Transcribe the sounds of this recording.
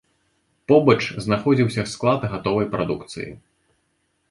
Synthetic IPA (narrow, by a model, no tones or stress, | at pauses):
pɔbɐt͡ʂznaxɔd͡zʲiwsʲɐsklˠat̪ɣat̪ɔvɐjpɾa̰d̪ukt̪sɨ̰jḭ